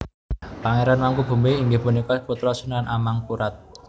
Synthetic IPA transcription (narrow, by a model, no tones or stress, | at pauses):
paŋeɾanwaŋkub̥ṳmbeiŋɡɪhbunikɔput̪ɾɔsunanʔamaŋkuɾat̪̚